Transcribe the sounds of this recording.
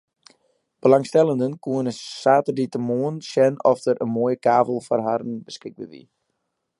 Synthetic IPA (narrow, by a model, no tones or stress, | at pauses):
b̥əlaŋstɛlˠəndənkuənəsaːtərditəmoənsɛnɔftəɾənmuəjəkaːvəl̩ˠfɔrɦarnbəskɪk̚bədḭ